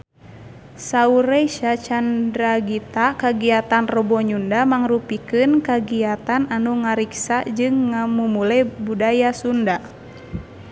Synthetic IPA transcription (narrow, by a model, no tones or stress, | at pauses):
sauɾeʃat͡ʃandɾaɡit̪akaɡiat̪anrɔbɔɲundamaŋrupikɨnkaɡiat̪ananuŋaɾiksad͡ʒɨŋːamumulɛbudajasunda